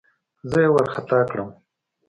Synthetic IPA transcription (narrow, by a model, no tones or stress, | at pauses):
zəjewaɾxat̪ɑkɽəm